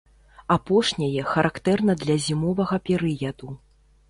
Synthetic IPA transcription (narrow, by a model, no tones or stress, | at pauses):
apɔʂnʲɐjɛxɐɾʔakt̪ɛrnɐd̪lʲɐzʲimɔvɐɣɐpʲɛɾɨjɐd̪u